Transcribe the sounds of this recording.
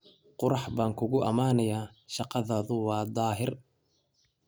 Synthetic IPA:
qʊɾɑħbaːŋkʰʊɣʊʔɐmaːnɐjaːʃɑqɑðɐːðʊwɑːd̪ɑːɦɪr

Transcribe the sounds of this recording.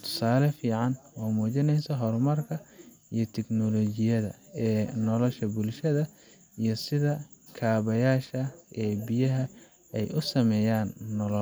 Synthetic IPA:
t̪ʰʊ̥saːlɐfiːʕɑnwaːmuːt͡ʃɪnɛjsɐɦɔrmɐrkʰɐ | ijɞt̪ʰɛɡnɔlɔt͡ʃɪjɐðɐ̰ɛːnɔlɔʃɐbʊlʃɐðɐ | ijɞsɪðɐ | kʰaːβɐjaːʃɐʔɛːbɪjɐɦɐ | ɛjʊsɐmɛːjaːnːɔlɔ

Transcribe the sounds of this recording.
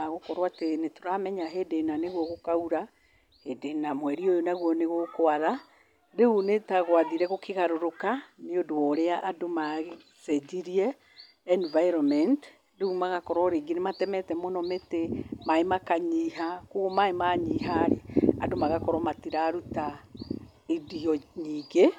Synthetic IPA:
aɣokɔɾwatenetoɾamɛɲaɦedenaneɣwɔɣokauɾa | hedenamwɛɾiojonaɣwɔneɣokoaða | ɾeunetaɣwaðiɾɛɣokʰeɣaɾoɾokaneodoɔɾeaʔadomaɣe | sɛd͡ʒiɾiɛ | ɛnvaiɾɔmɛnt | ɾeumaɣakɔɾɔɾeɡenematɛmɛtɛmonɔmetemaemakaɲiːɦakoɣomaemaɲiɦaɾea̰domaɣakɔɾɔmatiɾaɾuta | ediɔɲiːɡe

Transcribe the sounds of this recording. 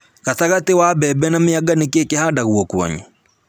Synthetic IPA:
kaθaɣatewabɛbɛnamɪaɡanekekehadaɣwɔkwɔ̰ɲu

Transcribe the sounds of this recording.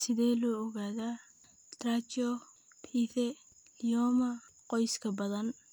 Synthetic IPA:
sɪðɛːlɔːɔɣaːðaː | t̪raːt͡ʃɔ | pʰiːθɛ | liɔːmɐqɔjskʰɐbɐðɐn

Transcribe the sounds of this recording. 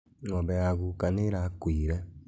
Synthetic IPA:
ŋɔβɛaɣukaneɾakwiːɾɛ

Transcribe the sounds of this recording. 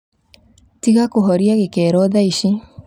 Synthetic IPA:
tiɣakoɦɔɾiaɣekɛːɾɔðaiɕi

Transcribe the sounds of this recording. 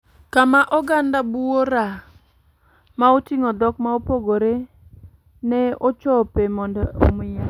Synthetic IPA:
kamaʔɔɡandabuoɾa | maotiŋɔd̪ɔkmaopoɡoɾe | nɛot͡ʃɔpemɔndɔo̰mɪe

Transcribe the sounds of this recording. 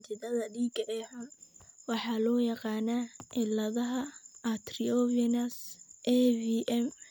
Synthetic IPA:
t̪ɪd̪ɐðɐdiːɡɐʔɛːħʊnwɑħɑːlɔːjɑqɑːnaɪlɐðɐɦɐʔɐt̪ʰɾiɔvinɐsʔɛviʔɛm

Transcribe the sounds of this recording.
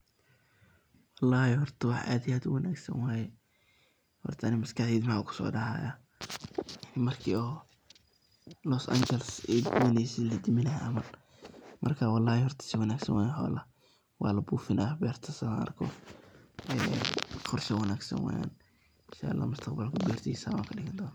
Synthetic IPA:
wɑlːɑːhɪhɔrt̪ʰɐwɑħʔa̰ːd̪ɪjaːd̪ʊwɐnʔaːɡsɐ̰nwaːjɛ | hɔ̰rt̪ʰɐnɪmɐskɐħiːd̪mɐkʰʊ̥sɔ̰ːɖɐha̰ːja | mɐrkʰiːɔː | lɔsa̰nt͡ʃɛlsɛwɑnɛsɪlɐd̪ɪmɪlɐɦaʔɐmɐr | mʔɐrkʰaːwɑlːɑːhɪhɔrt̪ʰɐ̥sɪwɐnaːɡsɐ̰nwʔaːjhɔ̰ːlɐ | wɑ̰ːlɐbuːfɪnʔabɛːrt̪ʰɐsɐɐ̰rkʰɔ̰ | ɛːχɔrʃɐwɐnaːɡsɐ̰nwa̰ːja̰ːn | ʃa̰lːɐ̰mʊst̪ʰɐqbɐlkʰʊbɛːrt̪ʰiːsa̰ːwa̰ːŋkʰɐɖɪɣɐnd̪ɔːna

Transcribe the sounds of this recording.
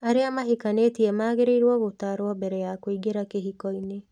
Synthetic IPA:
aɾeamaɦikanetiɛmaːɣeɾeiɾwɔɣotaːɾwɔbɛɾɛjakoiɡeɾakeɦikɔine

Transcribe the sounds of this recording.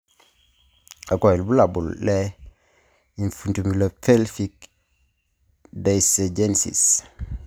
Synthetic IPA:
akoilbulabulle | infuntumilafelfik | deiseɟensḭs

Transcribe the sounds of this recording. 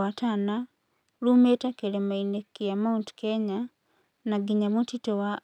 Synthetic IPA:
atʰaːna | lumetakelemainekːijamaunti̥keɲa | naɡiɲamutitowa

